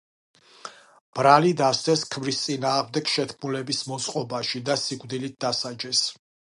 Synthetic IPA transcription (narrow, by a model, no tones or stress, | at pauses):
b̥ɾalid̪ast̪ɛskʰmɾist̪sʼinaːʁmd̪ɛɡʃɛt̪ʰkʰmulɛbismɔt̪sʼqʼɔbaʃid̪asiɡvd̪ilit̪̚d̪asad͡ʒɛs